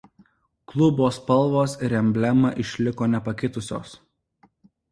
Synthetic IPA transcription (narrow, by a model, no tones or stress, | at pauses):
klˠʊboːspɐlˠʋoːsɪɾʲɛmʲbʲlʲɛmɐʔɪʃʲlʲɪkoːnʲɛpɐkʲɪt̪ʊsʲo̰ːs